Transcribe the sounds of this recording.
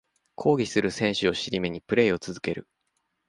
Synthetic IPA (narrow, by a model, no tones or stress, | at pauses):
kʰo̞ːɡʲisɨɾɯ̟sẽ̞ɰ̃ɕɨo̞ɕiɾʲime̞ɲ̟ipɯ̟ɾe̞ːo̞t͡sɨzɨke̞ɾɯ̟̰